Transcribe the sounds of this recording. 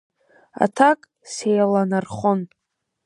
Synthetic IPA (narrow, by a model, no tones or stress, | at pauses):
a̰tʰakʼ | sejalanarχʊn